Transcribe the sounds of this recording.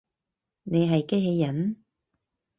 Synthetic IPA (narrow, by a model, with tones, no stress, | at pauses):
ne˨jɦɐ˨jke˥ɦe˧jjːɐ˨˥n